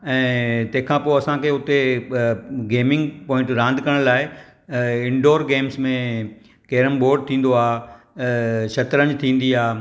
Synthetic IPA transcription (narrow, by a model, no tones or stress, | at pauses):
ɛ̃ːt̪ɐ̃ɦɪ̃kʰãpoːɐsãkʰeːʊt̪e | ɡeːmɪ̃ŋɡpɔ̃ːɪ̃ɳʈɾãːnd̪ʱkɐɾə̃ɽ̃laːɪ | ɪ̃ɳɖoːɾɡeːmsmẽ | keːɾəmboːɾɖ̚t̪ʰĩːn̆d̪oaː | ʃɐt̪ɾəɲd͡ʑt̪ʰĩːn̆d̪iaː